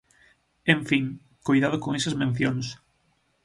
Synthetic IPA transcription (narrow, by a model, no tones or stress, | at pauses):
ẽɱfiŋ | kojðað̞ʊkoŋesɐzmẽn̟θjoŋs